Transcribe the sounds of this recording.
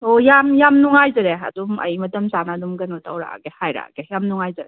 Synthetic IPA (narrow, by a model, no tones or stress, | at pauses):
ojamjamnuŋajzɐɾeɐ̰dumɐ̰jmɐtɐmsanadumɡɐnmɐtʰawɾa̰ɡehajɾa̰ɡejamnuŋajzaɾe